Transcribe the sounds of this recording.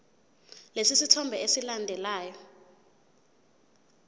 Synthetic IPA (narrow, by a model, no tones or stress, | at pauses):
lesisitʰɔmbʱɛesilandʱɛlaːjɔ